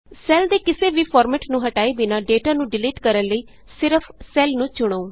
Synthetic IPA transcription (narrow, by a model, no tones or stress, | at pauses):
sɛːld̪eːkɪseːʋiːpʰɔːɾmɛːʈnũːɦəʈaːiːbɪnãːɖeːʈaːnũːɖɪliːʈkəɾənləiː | sɪɾəpʰsɛːlnũːt͡ʃʊɽ̃ooː